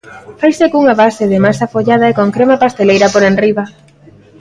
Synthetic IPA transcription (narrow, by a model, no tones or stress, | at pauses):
fajsekuŋaβasɪðɪmasafoʎað̞aekoŋkɾemapast̪elejɾapoɾenriβa